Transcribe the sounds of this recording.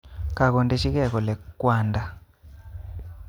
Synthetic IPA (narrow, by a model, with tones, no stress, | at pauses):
ka˨k̬o˨nde˦ʃi˦k̬ɛ˦˨k̬ɔ˨lɛ˨kwaːnda˦